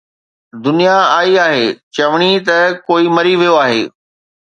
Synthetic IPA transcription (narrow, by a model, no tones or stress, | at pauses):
d̪ʊnijaaːiaːɦeːt͡ɕɐʋɽ̃it̪ɐkoːimɐɾiʋijoaːɦḛː